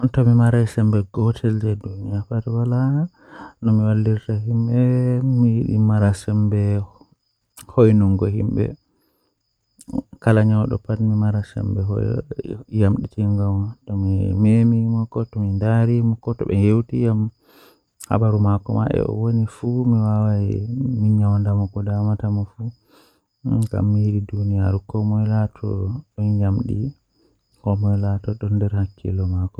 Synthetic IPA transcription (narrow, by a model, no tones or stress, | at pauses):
ɔntɔmimaɾajsɛmbɛɡɔtʰɛld͡ʒɛdunijapatwala | nɔmiwalːdiɾtahimɓɛmijiɗḭmaɾasɛmbɛ | hojnuŋɡɔhḭmbɛ̰ | kalaɲɔwɗɔ̰patmimaɾasɛ̰mbɛɦɔ̰ | jamɗitiŋɡamtɔmimemimɔkːɔtɔmindaɾimɔkːɔtɔ̰bɛjewtijam | ha̰baɾumakɔma̰ɓɛ̰ʔɔ̰wonifumiwawajminɲawndamɔkɔdamatamɔfu | ɡa̰mːihiɾidunijaɾukɔmɔjlatʰɔ̰ɓɔnjamɗḭ | kɔmɔjlatɔɗɔndɛɾhakʰːḭlɔmakɔ